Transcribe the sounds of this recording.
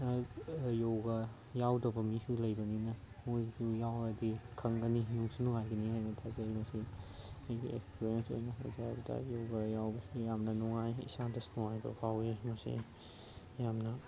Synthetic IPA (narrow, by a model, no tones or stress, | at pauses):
jowɡɐ | jawdɐbɐmisulɐjbɐninɐ | mojsujawɐdikʰɐŋɡɐninuŋsunuŋajɡɐnihajnɐtʰazɐjmɐsiajɡḭḛkspʰiɾjenso̰jnɐtʰa̰za̰bɐtʰa̰jowɡajawbɐsujamnɐnuŋajḭsadɐsnuŋajdɔ̰pʰawimɐsḭ | jamnɐ